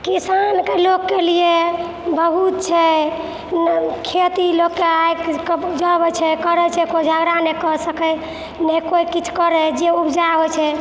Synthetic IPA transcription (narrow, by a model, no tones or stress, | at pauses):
kisankelokːelie | bəɦut̪̚t͡ʃʰɛ | kʰet̪ilokːeajkkd͡ʒəbɛt͡ʃʰɛkəɾɛt͡ʃʰɛkod͡ʒʱaɡɾanekəɾsəkɛ | nɛkoikit͡ʃʰu̥kəɾɛd͡ʒeubd͡ʒaɦojt͡ʃʰɛ